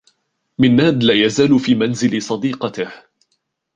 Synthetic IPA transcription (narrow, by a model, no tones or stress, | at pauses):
mɪnːaːd̪laːjazaːlfiːmanzɪlsˤɑd̪iːqɑt̪ɪh